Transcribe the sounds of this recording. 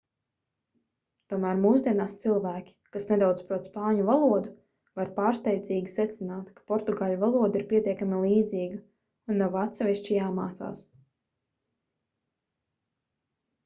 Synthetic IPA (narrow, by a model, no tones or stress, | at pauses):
t̪uɔmæːɾmuːzd̪ʲiɛnaːst̪silˠvæːkʲi̥kasne̞d̪awd̪zpɾuɔt̪spaːɲuvalˠuɔd̪u | vaɾpaːɾst̪ɛjd̪zʲiːɡʲisɛt̪sinaːt̪kḁpɔɾt̪uɡaːʎuvalˠuɔd̪iɾpʲiɛt̪iɛkamilˠiːd̪ziːɡa | unːɔvat̪sɛvʲiʃt͡ʃijaːmaːt̪sa̰ːs